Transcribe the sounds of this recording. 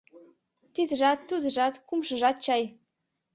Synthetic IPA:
t̪id̪əʒɑt̪ːud̪ə̆ʒɑt̪kumʃɤ̆ʒɑt̪̚t͡ɕɑj

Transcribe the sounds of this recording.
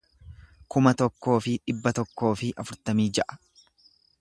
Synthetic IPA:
kʊmɐt̪ɔkːo̞ːfɪᶑɪbːɐt̪ɔkːo̞ːfɪʔɐfʊɾt̪ɐmiːd͡ʒɐʔɐ̥

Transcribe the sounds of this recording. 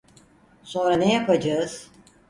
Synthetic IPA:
so̞nɾanejapʰad͡ʒaɯz̥

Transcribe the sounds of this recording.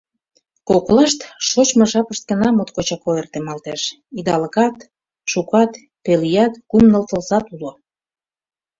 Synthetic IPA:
kokolɑʃt̪ʃot͡ɕmə̆ʒɑpəʃt̪̚ɡə̆nɑmot̪kot͡ɕɑkoert̪emɑlt̪eʃ | id̪ɑləkɑt̪ | ʃukɑt̪ | pelijɑt̪kumnəlt̪ə̆lzɑt̪ulo

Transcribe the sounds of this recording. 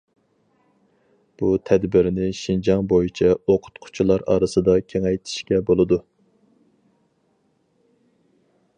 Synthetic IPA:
b̥ut̪ʰɛd̪bɪɾnɪʃind͡ʒɑŋbojit͡ʃʰɛoqʰʊ̥t̪qʰʊ̥t͡ʃʰulˠɑɾɑ̰ːɾɨsɨd̪ɑkʲʰeŋɛjt̪ʰi̥ʃkʲɛbolˠɨd̪u

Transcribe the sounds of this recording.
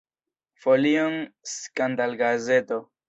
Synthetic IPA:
folionskandalɡazeto

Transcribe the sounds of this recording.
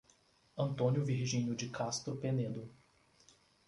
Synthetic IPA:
ɐ̃nt̪õnjʊviɾʒĩɲʊd͡ʒɪkast̪ɾʊpened̪ʊ

